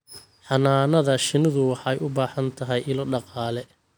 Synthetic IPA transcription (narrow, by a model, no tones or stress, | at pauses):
ħɑnaːnɐðɐʃɪnɪðʊwɑħɑjʊbaːħɐnt̪ʰɐɦɛjʔɪlɔɖɑqɑːlɛ